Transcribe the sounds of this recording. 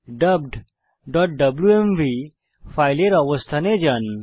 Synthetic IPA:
ɖɐb̚ɖ | ɖɔʈ̚ɖɐbljuemʋi | faːjleɾɐʋəst̪ʰɐned͡ʒɐn

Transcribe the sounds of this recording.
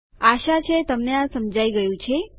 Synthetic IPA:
aʃat͡ʃʰet̪əmneãsəmd͡ʒaiɡəjũt͡ʃʰe

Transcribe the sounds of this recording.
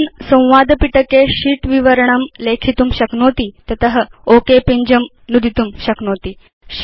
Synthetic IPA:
nsə̃w̃ʋad̪piʈəkeɕiːʈʋiʋəɾɳəmlekʰit̪uːmɕəknot̪it̪ət̪əɦəokepiɲd͡ʑəm | nud̪ʱit̪uːmɕəknot̪iː | ɕ

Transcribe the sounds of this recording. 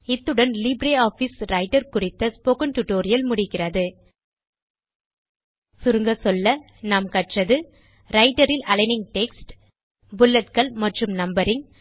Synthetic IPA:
ɪt̪ːɯɽɐnlɪbɾeːaːfisɾɐɪʈɐɾkʊrɪt̪ːɐspoːkɐnʈʊʈoːɾɪjɐlmʊɽɪkːɪrɐðɯ | sʊɾɯŋɡɐsɔlːɐ | naːmkɐʈrɐðɯ | ɾɐɪʈɐɾɪlʔɐɭɐɪnɪŋʈɛksʈ | bʊlːɐt̪̚kɐɭmɐʈrɯmnɐmbɐɾɪŋ

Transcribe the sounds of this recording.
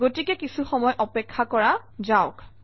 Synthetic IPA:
ɡotikɛkisuxɔmɔjʔɔpɛkʰːakɔɹa | zaʊk

